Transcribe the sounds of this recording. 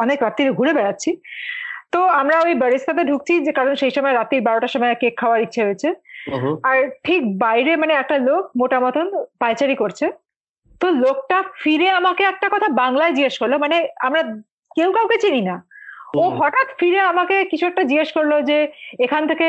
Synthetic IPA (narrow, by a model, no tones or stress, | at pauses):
ɔnekɾat̪ːiɾoɡʱuɾebɛɽatːɕʰi | t̪oamɾaojbəɾist̪ʰat̪̬eɖʱuk̚t͡ɕʰikaɾonʃejʃɔmɔeɾat̪iɾbaɾoʈaʃɔmɔekekʰːaoaɾitːɕʰeɦoet͡ɕʰe | aɾʈʰik̚bajɾemaneɛk̚ʈalokmoʈamɔt̪ʰonpajt͡ɕaɾikoɾt͡ɕʰe | t̪olok̚ʈafiɾeamakeɛk̚ʈakɔt̪ʰabaŋlaed͡ʑiɡeʃkoɾlomaneamɾa | kewkawket͡ɕininaoɦɔʈat̪fiɾeamakekit͡ɕʰuɛk̚ʈad͡ʑiɡeʃkoɾlod͡ʑeekʰant̪ʰeke